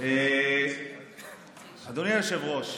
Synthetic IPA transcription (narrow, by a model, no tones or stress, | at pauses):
e | had̪oniajoʃevʁoʃ